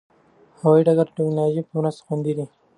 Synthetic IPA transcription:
hawaiɖaɡaɾʈɛknɑloʒipəmɾazt̪xund̪id̪i

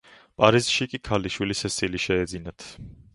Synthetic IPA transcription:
pʼaɾizʃikʼikʰaliʃwilisɛsiliʃɛɛd̪zinat̪ʰ

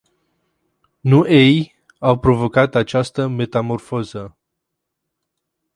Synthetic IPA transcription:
nuʔej | awpɾo̞vo̞kat̪at͡ʃast̪əme̞t̪amo̞rfo̞zə

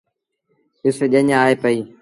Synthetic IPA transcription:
ɪseʄəɲãaːɦeːpəiː

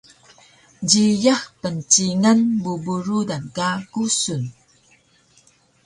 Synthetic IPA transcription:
ɟijaxpənt͡ɕiŋanbubuɾudankakusun

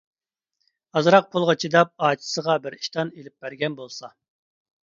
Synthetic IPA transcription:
ɑzɾɑq̚pʰolˠʁɑt͡ʃʰid̪ɑp̚ɑːt̪ʰɪ̥səʁɑbɪɾi̥ʃt̪ɑnelɪp̚bæɾɡʲɛnbolˠsɑ

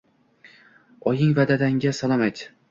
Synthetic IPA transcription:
ɒjɪŋvad̪ad̪aŋɡʲasalˠɒmajt̪

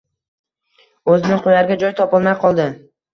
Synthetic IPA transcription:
ɵzɪnɪŋqʰojaɾɡʲad͡ʒɒjt̪ʰɒpɒlˠmajqʰɒlˠd̪ɪ

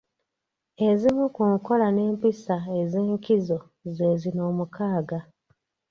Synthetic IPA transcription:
e̞zimukuːŋko̞lane̞ːmpisaezeːŋkizo̞ | ze̞ːzino̞ːmukaːɡa

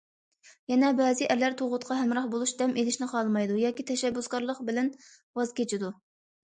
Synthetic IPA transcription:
jɛnɛbɛːzɪʔɛlːæɾt̪ʰoʁʊt̪qʰɑɦɛmɾɑχbolˠuʃd̪ɛmʔelɪʃnɪqʰɑlˠmɑjd̪ujɑːkʲit̪ʰɛʃɛbːuskɑɾlˠəqbɪlɛn | wɑzkʲʰet͡ʃʰid̪u

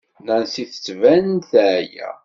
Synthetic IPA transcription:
nænsiθə̥t͡sːvænθæjæ̰

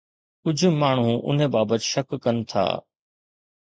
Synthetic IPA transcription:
kʊd͡ʑ̆ʱmaːɳ̤̃ũʔʊ̰n̤ẽbaːbət̪ʃɐkːɐnɪ̆t̪ʰa̰ː

